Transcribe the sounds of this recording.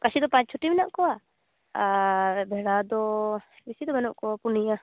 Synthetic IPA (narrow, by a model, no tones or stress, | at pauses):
kasʰid̪ɔpãt͡ʃ̚t͡ʃʰuʈimɛnaʔkɔa | abʱɛɽad̪ɔ | bisid̪ɔbɛnɔʔkɔapunija